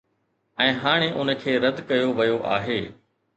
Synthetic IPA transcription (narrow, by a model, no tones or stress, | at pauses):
ɛ̃ːɦaːɽ̃eʔʊnə̆kʰeːɾɐd̪kɐjoʋɐjoʔa̰ːɦeː